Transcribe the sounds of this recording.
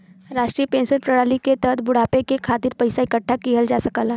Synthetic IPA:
ɾaːʃʈɾiepẽːnsənpɾəɽaːliket̪ət̪ʰbʊɽ̤aːpekekʰaːt̪ɪɾpɐɪsaɪkəʈʰːakiɦəld͡ʒaːsəkaːlaː

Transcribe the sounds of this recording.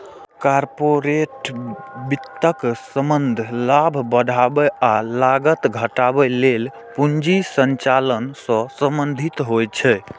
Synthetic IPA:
kaɾpoɾeʈbit̪ːəksəmənd̪ʱlabʱbəd̪ʱabɛalaɡət̪ɡʱəʈabɛlel | pund͡ʒisənt͡ʃalənsə̃səmbənd̪ʱit̪ɦojt͡ʃʰɛ

